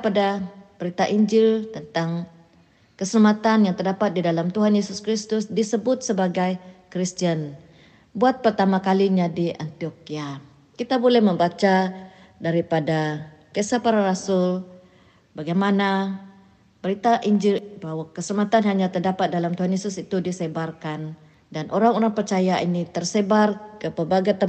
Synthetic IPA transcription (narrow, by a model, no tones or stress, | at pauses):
padab̥əɾit̪aʔiɲd͡ʒɪlt̪ənt̪aŋ | kəsəlamat̪anjaŋt̪ərdapat̪̚didalamt̪uɦanjesuskɾist̪ʊsdisəbʊt̪̚səbaɡajkɾist̪iən | buat̪̚pərt̪amakaliɲadiʔant̪iokia | kit̪abolɛhməmbat͡ʃa | daɾipada | kəsapaɾaɾasʊl | baɡajmana | b̥əɾit̪aʔiɲd͡ʒɪlbaɦwakəsəmat̪anɦaɲat̪ərdapat̪̚dalamt̪uɦanjesʊsit̪udisebarkan | danʔoɾaŋoɾaŋpərt͡ʃajaʔinit̪ərsebarkəpərbaɡajt̪ə